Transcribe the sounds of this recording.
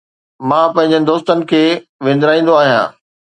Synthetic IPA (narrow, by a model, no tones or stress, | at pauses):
mãːpɐ̃ɦɪ̃ɲ̆d͡ʑənɪ̆d̪oːst̪ənɪ̆kʰeːʋẽːnd̪ɾaːĩːn̆d̪oaːɦijã̰ː